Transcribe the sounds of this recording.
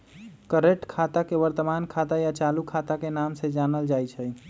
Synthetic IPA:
kəɾeʈkʰat̪akeʋəɾt̪əmankʰat̪ajat͡ʃalukʰat̪akenamsed͡ʒanəld͡ʒajt͡ʃʰə

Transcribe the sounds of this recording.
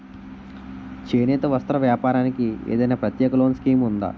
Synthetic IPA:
t͡ʃeːneːt̪ɐʋɐst̪ɾɐʋjaːpaːɾaːnikiḛːd̪ɐjnaːpɾɐt̪jɛːkɐloːnskiːmund̪a̰ː

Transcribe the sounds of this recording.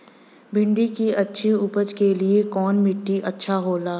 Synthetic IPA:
bʱɪ̃ɳɖikiɐtːʃʰiʊpəd͡ʒkeliekɔːnmɪʈːiʔɐtːʃʰaɦoːlaː

